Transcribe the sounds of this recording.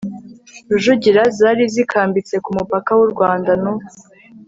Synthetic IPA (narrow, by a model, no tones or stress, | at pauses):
uʒuɟiɾazaːɾizikʰaːmbit͡se̞kumupakawuɾɡwaːndanu